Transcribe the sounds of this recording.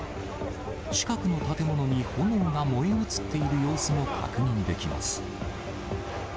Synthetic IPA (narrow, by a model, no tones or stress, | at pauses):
t͡ɕi̥kakɯ̟no̞t̪at̪e̞mo̞no̞ɲ̟iho̞nõŋɡamo̞iot͡sɨ̥t̪ːe̞iɾɯ̟jo̞ːsɨmo̞kʰa̰kɯ̟ɲ̟ĩnd̪e̞kʲima̰sɨ̥